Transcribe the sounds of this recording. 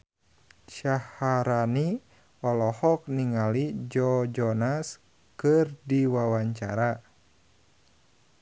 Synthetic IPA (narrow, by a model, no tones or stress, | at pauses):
ʃahaɾani | ɔlɔhɔk̚niŋalid͡ʒɔd͡ʒɔnas | kɨrdiwawaɲt͡ʃa̰ɾa